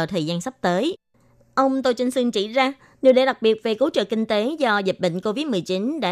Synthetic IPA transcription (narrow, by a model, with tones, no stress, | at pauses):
t̪ʰəː˨˩jzaː˧nsa˦˥wk͡p̚t̪əː˨˦j | ʔə˧wŋ͡mt̪o˧jt͡ɕi˧ŋ̟sɨ˧ŋt͡ɕḭ˧˩zaː˧ | ni˨˩wɗḛ˧˩ɗa˨˩k̚ɓi˨˩ət̚ve˨˩ko˨˦t͡ɕə̰ː˨kï˧ŋ̟t̪e˨˦zɔ˧zi˨˩t̚ɓə̰˧˨ŋ̟ko˧vi˦˥t̚mɨ˨˩əjt͡ɕi˨˦nɗa̰ː˧˥